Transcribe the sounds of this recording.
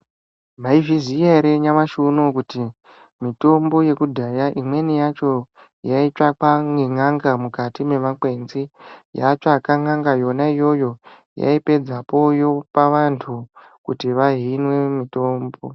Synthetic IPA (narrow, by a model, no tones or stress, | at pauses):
mʱaivizijaɾeɲamaʃunokuti | mito̞mbo̞je̞kudʱajaʔimwe̞nijat͡ʃo̞ | jait͡ʃakaŋiŋaŋɡamukatime̞ʋakwe̞nzija̰t͡ʃakaŋaŋɡajo̞naijo̞jo̞ | ja̰ipe̞d͡zapo̞jo̞paʋantʰu | kṵtiʋaɦinwe̞mito̞ːmbo̞